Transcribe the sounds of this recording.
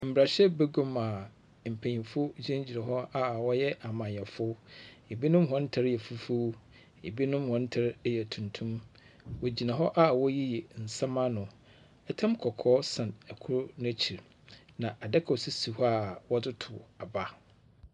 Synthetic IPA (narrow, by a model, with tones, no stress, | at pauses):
m̩˨bɾa˨ɕɛ˦be˦ɡõ˦ma˨ | m̩˨pʰæ̃˨ɲĩ˨fʊ˦d͡ʑɛ̃˦d͡ʑi˨nã˨ɦɔ˦a˦wɔ˦jɛ˦ʔa˨mã˨ɛ˨fʊ˦e˨bi˦nʊ̃˦mɦɔ̃˦n̩˦tʰa˦ɾjɛ˨fu˦fu˦ | e˨bi˦nʊ̃˦mhɔ̃˦n̩˦tʰa˦ɾjɛ˨tʰũ˨ntʰũ˦m | wɔ˨d͡ʑi˨nã˨ɦɔ˦ʔa˦˨wɔ˦ji˦jɛ˨n̩˨sã˦mã˦nʊ̃˨ | ɛ˦tʰã˦mkʰɔ˨kʰɔː˦sã˨næ˨kʰʊ˦ɾʊ˦nʊ̃˦t͡ɕʰi˨ɾ | nã˨ʔa˨dɛ˦kʰɔ˨si˦si˨hɔ˦a˨wɔ˦dʊ˦tʰʊ˨a˨ba˦